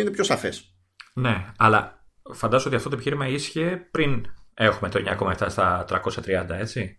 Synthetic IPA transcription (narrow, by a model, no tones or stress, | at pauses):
inepço̞sɐfes | ne̞ɐlɐ | fɐnd̪ɐzooiɐft̪ot̪oepiçiɾimɐisçepɾine̞xume̞t̪oɲɐ̰ko̞mɐeft̪ɐst̪ɐt̪ɾɐko̞sçɐt̪ɾiɐnd̪ɐe̞t͡si